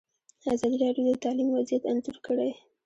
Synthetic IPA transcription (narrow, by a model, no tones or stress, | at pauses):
azɑd̪iɾɑɖjod̪ət̪ɑlimwazjat̪anzuɾkəɽe